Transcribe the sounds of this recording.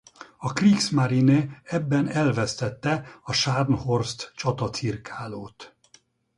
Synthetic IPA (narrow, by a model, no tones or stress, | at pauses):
ɒkriːksmaɾineɛbːɛnɛlvɛst̪ɛt̪ːɛɒʃarnhorst̪t͡ʃɒt̪ɒt̪sirkʰaːloːt̪